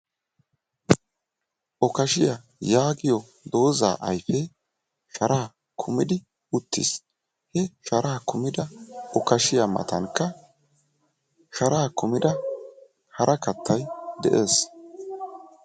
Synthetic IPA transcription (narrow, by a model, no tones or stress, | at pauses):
ʔɔkɐʃɪja | jaːɡɪjɔ | d̪o̞ːza̰ːʔɐjfɛ | ʃɐɾaː | kʰʊmɪd̪ɪ | ʊt̪ːɪ̰s | hɛʃɐɾaːkʊmɪd̪ɐʔɔkɐʃɪjamɐ̰t̪ɐnkːɐ | ʃɐɾaːkʊmɪd̪ɐ | hɐɾʔɐkɐt̪ʰːɐjd̪ɛʔe̞ːs